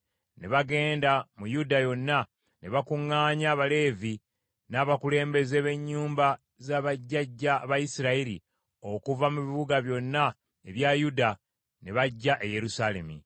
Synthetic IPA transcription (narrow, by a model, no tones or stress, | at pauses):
ne̞βaɡe̞ːndamujudajo̞nːa | ne̞βakuŋːaːɲaːβale̞ːvi | naːβakule̞ːmbe̞ze̞βe̞ɲːuːmba | zaːβaɟːaɟːaβajisiɾaiɾḭ | o̞kuvamuβiβuɡaβjo̞nːa | e̞βjajuda | ne̞βaɟːaʔeje̞ɾusaːle̞̰mḭ